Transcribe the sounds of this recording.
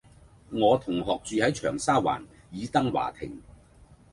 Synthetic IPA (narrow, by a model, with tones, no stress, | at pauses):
ŋɔː˨˧t̪ʰʊ˨˩ŋɦɔː˨k̚t͡ʃyː˨˧hɐ˨˥jt͡ʃʰœː˨˩ŋsaː˥wa̰ː˨˩n | jiː˨˧t̪ɐ˥ŋwa̰ː˨˩t̪ʰɪ̰˨˩ŋ